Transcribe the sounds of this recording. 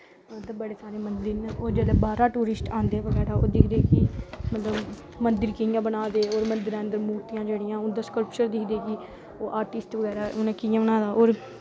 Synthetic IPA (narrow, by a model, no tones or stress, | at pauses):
t̪abəɽeːsaːɾeːmənd̪ɪɾnːoːɾd͡ʒeːleːbaːɾaːʈuːɾɪsʈãːnd̪ẽːʋəɡɛːɾaːo̰ːd̪ɪkʰd̪eːkimət̪ləb | mənd̪ɪɾkɪ̃ãːbənaːd̪eːoːɾmənd̪ɪɾə̃ːnd̪əɾmuːɾt̪ijãːd͡ʒeːɽɪjãːʊnd̪aːskəlpt͡ʃəɾd̪ɪkʰd̪eːki | oːʔaːɾʈɪsʈʋəɡɛːɾaːʔʊnẽːkɪjãːbənaːd̪aːʔoːɾ